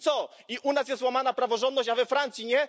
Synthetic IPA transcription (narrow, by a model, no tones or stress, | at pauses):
sɔ | iʔunasjɛst̪wamanapɾavɔʐɔnd̪nɔɕt͡ɕavɛfɾant̪sʲjiɲɛ